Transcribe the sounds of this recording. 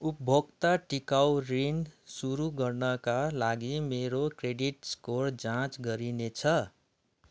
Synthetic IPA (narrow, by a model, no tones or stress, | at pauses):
upbʱoɡt̪aʈikawɾinsuɾuɡʌrnʌkalaɡimeɾokreɖiʈskoɾd͡zãt͡sɡʌɾinet͡sʰʌ